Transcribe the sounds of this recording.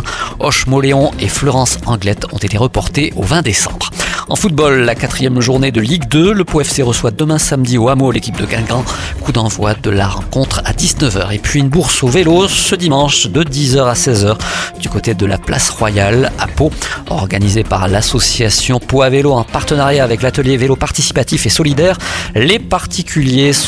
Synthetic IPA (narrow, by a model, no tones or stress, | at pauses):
ɔʃmɔleɔ̃eflɔʁɑ̃sɑ̃ɡlɛt̪ɔ̃t̪et̪eʁəpɔʁt̪eʔovɛ̃d̪esɑ̰̃bʁɑ̰̃fut̪̚bɔlːakat̪χijɛmʒuʁned̪əliɡd̪øləpoɛfseʁəswad̪əmɛ̃samd̪ioamolekʲip̚d̪əɡɛ̃ɡɑ̃ | kud̪ɑ̃vwad̪əlaʁɑ̰̃kɔ̃t̪χad̪iznəvœ̰ːʁepɥiynbuʁsovelosəd̪imɑ̃ʃd̪əd̪izœʁasɛzœʁd̪̥ykot̪ed̪əla̰pla̰sʁwajala̰poɔ̰ʁɡanizepaʁlasɔsjasjɔ̃poaveloɑ̃paʁt̪ənaʁjaːvɛklat̪əljevelopaʁt̪isi̥pat̪ifesɔlid̪ɛːʁlepaʁt̪ʰikʲʰyljes